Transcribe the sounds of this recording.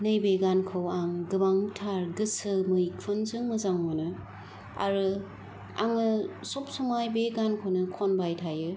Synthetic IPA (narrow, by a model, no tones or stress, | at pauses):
nɯjbeɡankʰɯwaŋɡɯbaŋtʰaɾɡɯsɯmɯjkʰɯnzɯŋmɯzaŋmanɯ | a̰ɾɯ | a̰ŋɯsop̚sumajbeɡankʰownɯkʰonbajtʰajɯ